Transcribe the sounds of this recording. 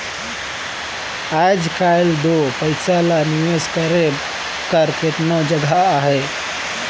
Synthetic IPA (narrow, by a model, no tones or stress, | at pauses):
ajd͡ʒkajld̪opəɪsalaniʋeskəɾe | kəɾket̪nod͡ʒəɡʱaːɦɛ